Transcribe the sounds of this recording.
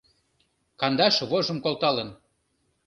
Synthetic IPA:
kɑnd̪ɑʃβoʒə̆mkolˠt̪ɑlə̆n

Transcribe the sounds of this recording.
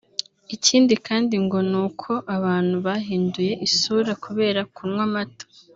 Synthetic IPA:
iciːndikaːndiŋɡo̞nuːkʰo̞ʔaβaːn̥huβaɦiːnduje̞ʔisuɾakʰuβe̞ːɾakunwamato̥

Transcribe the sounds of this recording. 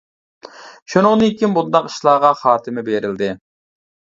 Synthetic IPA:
ʃunəʁnɨjikʲimbund̪ɑqi̥ʃlˠɑːʁɑχɑːt̪ʰɪmɪbeɾɪld̪ɪ

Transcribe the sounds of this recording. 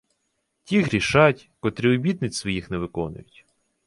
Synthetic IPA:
tʲiɦɾʲiʃɑtʲkɔt̪ɾʲiɔbʲid̪nɪt͡sʲsʋɔjixnɛʋɪkɔnʊ̰jʊtʲ

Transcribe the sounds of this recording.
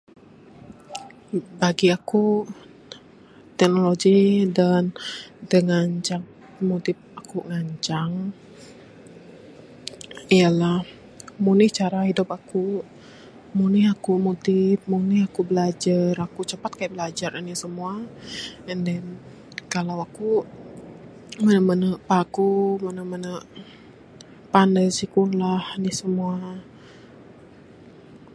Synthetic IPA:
baɡiaku | t̪ɛk̚noloɡidand̪əŋaɲt͡ʃaŋ | motɪp̚akuŋaɲt͡ʃaŋ | ijalah | munɪht͡ʃaɾaɦidupaku | munɪhakumot̪ɪp̚munihakubəlad͡ʒarakut͡ʃəpat̪̚kajaʔbəlad͡ʒaɾənisəmua | əndɛn | kalawaku | mənəmənəʔpakumənəmənəʔ | pandəjsikunlahnihsəmua

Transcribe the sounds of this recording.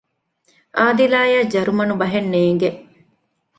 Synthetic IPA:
ʔaːd̪ilaːjaːd͡ʒɐɾumɐnubɐɦenːeːŋɡeʔ

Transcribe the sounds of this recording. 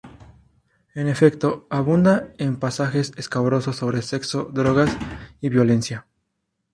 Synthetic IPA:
e̞ne̞fe̞k̚t̪o̞aβund̪aempasaxe̞seskaβɾo̞so̞sːo̞βɾese̞kso̞d̪ɾo̞ɣasiβjo̞le̞nsja

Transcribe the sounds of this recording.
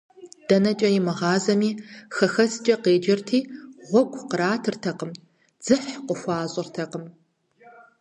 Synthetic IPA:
d̥ɐnɐt͡ʃʼɐjɪmɨʁɑːzɐmiːxɐxɐst͡ʃʼɐqeːd͡ʒɪrtʰiːʁʷɔɡʷʰʼqəɾaːtʰɨrtʰɐqəm | d͡z̥ɨħqəxʷɑːɕʼɪrtʰɐqəm

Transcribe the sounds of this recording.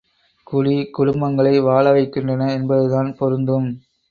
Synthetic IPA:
kʊɭikʊɽʊmbɐŋɡɐɭɐɪʋaːɭɐʋɐɪkːɪndrɐnɐɛnbɐðɯðaːnpɔɾɯnd̪ɯm

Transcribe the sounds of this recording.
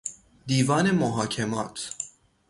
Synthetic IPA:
d̪iːvɒːne̞moɦɒːcʰemɒːt̪ʰ

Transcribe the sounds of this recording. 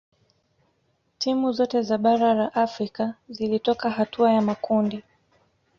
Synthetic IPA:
tʰimuzɔtɛzaɓaɾalaʔafɾikazilitɔkaɦatuajamakundi

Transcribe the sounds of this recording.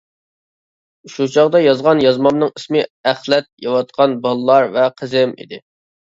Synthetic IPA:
ʃut͡ʃʰɑʁd̪ɑjɑzʁɑnjɑzmɑmnɨŋismɨæχlɛt̪̚jɑwɑt̪̚qʰɑnbɑlˠlːˠɑɾvɛqʰəzɪmḭd̪ɪ

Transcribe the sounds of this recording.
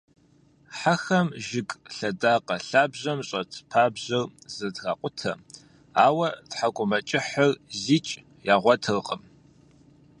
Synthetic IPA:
ħaxɐmʒɪkʼɬɐdaːqʼɐɬaːbʑɐmɕʼɐtʰpʰaːbʑɐrzɐdɣa̰ːqʷʼʊtʰɐ | aːwɐtħakʷʼʊmɐt͡ʃʼɪħərzit͡ʃʼ | jaːʁʷɔtʰɨrqʼəm

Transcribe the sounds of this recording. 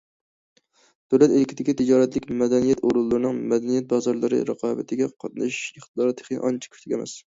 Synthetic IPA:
d̪̥øwlɛt̪elɪkʲʰɪd̪ɪkʲit̪ʰɪd͡ʒɑːɾɛt̪lɪkʲmɛd̪ɛnijɛt̪oɾulˠːɨɾɨnɨŋmɛd̪ɛnijɛt̪̚bɑzɑɾlˠɨɾɨ̰ɾæ̰qʰɑːbɨt̪ʰɪɡʲɛqʰɑt̪̚nɨ̰ʃʃeχt̪ɨd̪ɑɾt̪ʰe̥χnɨ̰ʔɑ̰nt͡ʃʰi̥kʲʰy̥t̪ʰɪkʲɛmɛ̰s

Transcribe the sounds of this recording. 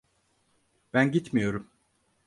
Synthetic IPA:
b̥ænɟit̪mijo̞ɾum

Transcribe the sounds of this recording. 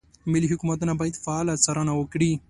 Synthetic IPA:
miliɦʊkumat̪unabɑjad̪faːlasaɾanawəkɽi

